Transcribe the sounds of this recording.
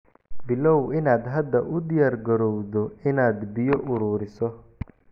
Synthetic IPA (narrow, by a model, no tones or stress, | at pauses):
bɪlɔwɪnaːd̪ɦɐd̪ːɐʔʊd̪ɪjaːɾɡɐɾɔwðɔɪnaːd̪bɪjɔʔʊɾuːɾɪsɔ